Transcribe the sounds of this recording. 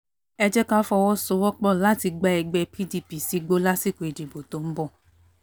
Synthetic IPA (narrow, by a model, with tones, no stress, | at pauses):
ɛ˧d͡ʒɛ˦ka˦fɔ˧wɔ˦so˦wɔ˦k͡pɔ˦˨la˨˦ti˧ɡ͡ba˦ɛ˧ɡ͡bɛ˧pi˦di˧pi˨si˧˦ɡ͡bo˦la˦si˦˨ko˨e˨d͡ʒi˨bo˨tõ˨˦m̩˦bɔ˦˨